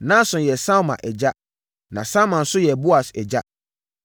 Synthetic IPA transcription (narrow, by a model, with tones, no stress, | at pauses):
nã˦sʊ̃˨jɛ˨sã˦mã̰˨ʔɛ˨d͡ʑa˦ | nã̰˨sã˦mã˨n̩˦sʊ˦jɛ˨bo˦a˨sɛ˨d͡ʑa˦